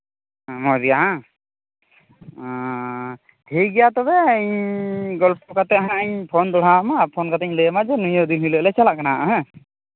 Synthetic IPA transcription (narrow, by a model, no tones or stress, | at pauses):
mɔd͡ʒijaɦã | hejɡɛjat̪ɔbɛəɲɡɔlpɔkat̪ɛɦãəɲpʰɔnd̪ɔɽ̤amapʰɔnkat̪̬ɛɲləmad͡ʒɛnujɔd̪inhiləʔlɛt͡ʃalaʔkanaʔɦɛ̃